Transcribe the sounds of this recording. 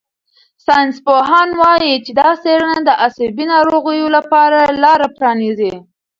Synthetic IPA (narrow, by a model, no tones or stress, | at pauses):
sɑjnspoɦɑnwɑjit͡ʃed̪ɑseɽənad̪əʔasabinɑɾoɣəjolapɑɾalɑɾapɾɑnize